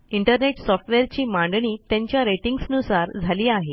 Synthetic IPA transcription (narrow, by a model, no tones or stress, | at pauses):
iɳʈəɾneʈsɔfʈʋeɾt͡ɕiːmãɳɖɳ̃iːt̪jãɲt͡ɕjaɾeʈiŋɡsnusaɾd͡zʱaliːaɦe